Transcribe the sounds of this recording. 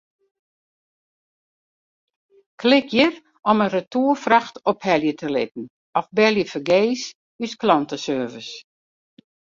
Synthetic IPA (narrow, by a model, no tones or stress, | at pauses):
kʰlɪkʰjər | ɔmənrətuːfraxtɔphɛljətʰəlɪ̰t̚n̩ | ɔfbɛljəfəɡeːs | ysklɔntəsøːvəs